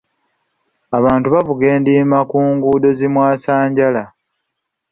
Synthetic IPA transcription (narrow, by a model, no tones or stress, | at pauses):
aβaːntuβavuɡe̞ːndiːmakuːŋɡuːdo̞zimwaːsaːɲɟala